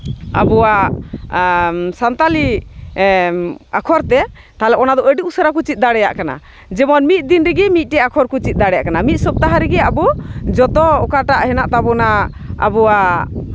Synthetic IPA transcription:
a̰bɔwa | sant̪ali | akʰɔɾt̪ɛ | t̪alɛʔɔnad̪ɔʔəɖiusəɾak̬ut͡ʃit̪̚ˀd̪aɽɛja̰ʔkana̰ | d͡ʒɛmɔnmit̪̚d̪inɾɛɡɛmit̪̚ˀʈɛakʰɔɾkut͡ʃit̪̚ˀd̪aɽɛjaʔkanamit̪̚ˀsɔb̚t̪aɦaɾɛɡɛabɔd͡ʒɔt̪ɔɔkaʈaʔhɛnaʔt̪abɔna | a̰bɔwa

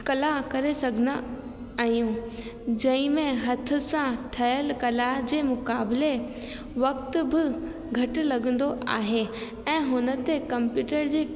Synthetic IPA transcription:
kɐlakɐɾesɐɡʱɪna | aːɦijũd͡ʑɐ̃ɪ̃mẽɦɐt̪ʰʊ̆sãʈʰɐɦəlkɐlad͡ʑeːmʊkaːbɪle | ʋɐkt̪bɪ | ɡʱɐʈ̆lɐɠə̃nd̪oʔa̰ːɦe | ɛ̃ːɦʊnə̆t̪ekɐ̃mpjuːʈəɾd͡ʑeː

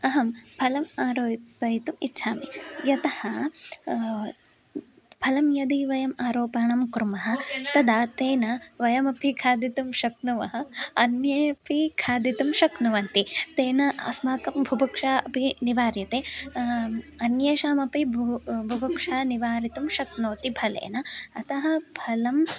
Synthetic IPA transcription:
ɐɦɐmbʱɐlɐmaːɾoːʋɐjit̪umḭtːt͡ʃʰaːmijɐt̪ɐhɐ | bʱɐlɐmjɐd̪iʋɐjɐmaːɾoːpaːɳɐmkɾumɐɦɐ̆t̪ɐd̪aːt̪eːnɐʋɐjɐmɐpʰikʰaːd̪it̪umʃɐknuʋɐɦɐɐnjeːɐpikʰaːd̪it̪umʃɐknuʋɐnt̪it̪eːnɐɐ̰smaːkɐmbʱubɐkʂaːɐpiniʋaːɾjɐt̪eː | ɐnjeːʃaːmɐpibʱubɐkʂaːniʋaːɾit̪umʃɐknoːt̪ibʱɐlḛːnɐːt̪ɐɦɐbʱɐlɐm

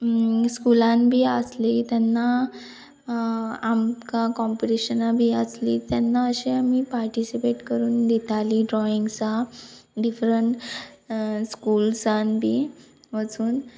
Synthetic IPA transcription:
skulãnbʱiːəslit̪janːa | amkakɔmpiʈiɕənabʱiːəslit̪janːaəɕeamiːpaɾʈisipeʈkəɾuːnd̪it̪ʰaliːɖɾɔiŋɡsaɖifɾəɳʈ | skulsanbʱiː | ʋət͡suːn

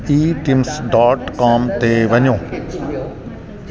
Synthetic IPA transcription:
iːʈimsɖaːʈkaːmt̪eʋɐɲõː

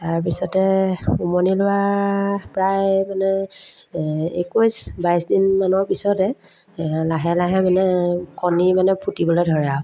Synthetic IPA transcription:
taɹp̬isɔtɛumɔnilʊwa | pɹajmanɛ | ḛkojsbajsdinmanɔɹpisɔtɛ | laɦɛlaɦɛmanɛkɔnimanɛpʰutibɔlojdʱɔɹɛa

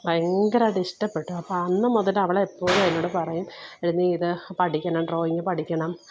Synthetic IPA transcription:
eŋɡɐɾɐɖistɐpːe̞ʈːuɐpːoɐnːɐmoðɐlɐʋiɭeepːo̞ːɭɐnːoːɽɨpɐrɐjumeɽunːiiðɨpɐʈʰikʲːɐɳɐmɖro̞ːiŋːɨpɐʈʰikʲːɐɳɐm

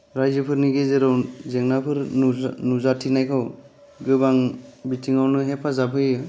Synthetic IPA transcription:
ɾajzɯpʰɯɾniɡezeɾawzeŋnapʰɯɾnuzatʰinajkʰaw | ɡɯbaŋbitʰiŋawnɯɦepʰazabʰʱɯjɯ

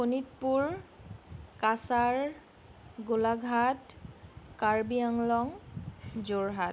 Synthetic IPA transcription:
ponit̚puɹ | kasaɹ | ɡolaɡʱat | kaɹbiaŋlɔŋ | zoɹɦat

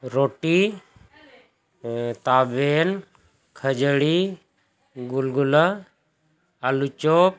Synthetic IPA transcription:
ɾoːʈiː | t̪aːbeːn | kʰəd͡ʒəɽi | ɡulɡulə | alut͡ʃoːp̚

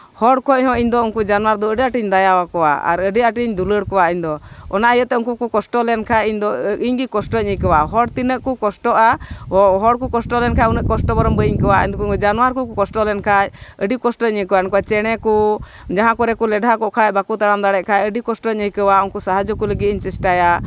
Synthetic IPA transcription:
hɔɽkʰɔʔhɔ̃ʔiɲd̪ɔunkud͡ʒanwaɾd̪ɔəɖiaʈiɲd̪ajawakɔwa̰a̰ɾəɖiaʈiɲd̪uləɽkɔwaiɲd̪ɔɔnaʔəjəʔt̪ɛunkukukɔsʈɔlɛnkʰajiɲd̪ɔʔiɲɡikɔsʈɔɲikəwaɦɔɽt̪inəʔkukɔsʈɔʔaɦɔɽkukɔsʈɔlɛnkʰaunəʔkɔsʈɔbɔɾɔmbəiɲkəwaḭɲd̪kd͡ʒanwaɾkukukɔsʈɔlɛnkʰajəɖikɔsʈɔɲəkəwaɛnkɔwat͡ʃɛɽ̃ɛku | d͡ʒaɦãkɔɾɛkulɛɖʱakɔʔkʰajbakut̪aɽamd̪aɽɛʔkʰajəɖikɔsʈɔɲəkəwaunkusaɦad͡ʒɔkuləɡit̪̚iɲt͡ʃisʈaja

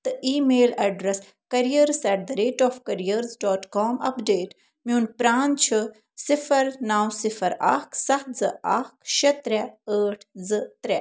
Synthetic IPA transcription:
t̪ɨʔiːmeːlɐɖɾɐs | kɐɾijɐɾsɛʈd̪ɐɾeːʈɔːfkɐɾijəɾzɖɔːʈkɔːmɐ̰pɖeːʈ | munpɾaːnt͡ʃʰɨ | sifɐɾnaːwsifɐɾa̰ːksɐzɨaːkʃɐt̪ɾɛəːʈʰzɨt̪ɾɛ

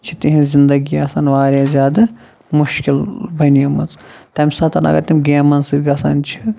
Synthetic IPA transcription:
t͡ʃʰit̪iɦĩzʲind̪ɐɡiɐsɐːnʋaːɾʲazʲjaːd̪ɐ | muʃkilbɐnijɐmɨt͡st̪ɐmʲsɐt̪ʰɐnɐ̰ɡɐ̰ɾt̪imʲɡʲeːmɐnsɨɡɐsɐ̰nt͡ʃʰi̥

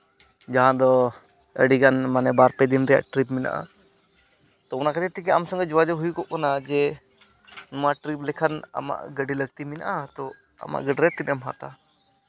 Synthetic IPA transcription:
d͡ʒaɦãd̪ɔ | ə̰ɖiɡanmanɛbaɾpɛd̪inɾɛja̰ʔʈɾipmina̰ʔa̰ | t̪ɔɔnakat̪ɛt̪ikɛamsɔ̃ŋɡɛd͡ʒɔwad͡ʒɔɦujukɔʔkanad͡ʒɛ | nɔmaʈɾiplɛkʰana̰ma̰ʔɡəɖiləɡ̚t̪imina̰ʔat̪ɔ | a̰ma̰ʔɡəɖɾɛt̪inɛmɦa̰t̪a

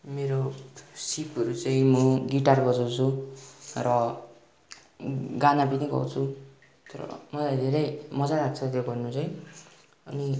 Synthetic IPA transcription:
meɾosipʌɾut͡saĩmʌɡiʈarɡʌd͡zʌwt͡sʰu | rʌ | ɡanapʌniɡʌ̰wt͡sʰu | t̪ʌɾʌ̰mʌlajd̪ʱeɾʌjmʌd͡zaɾaɡ̚t͡sʰʌt̪joɡʌrnut͡saĩ | ʌni

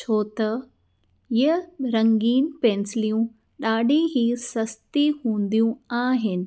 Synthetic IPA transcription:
t͡ʃʰoːt̪ɐ | ɪəɾɐ̃ŋɡiːnpẽːnsɪlijũ | ɗaːɖʱẽɦiːsɐst̪iɦũːnd̪ijũaːɦɪnɪ̆

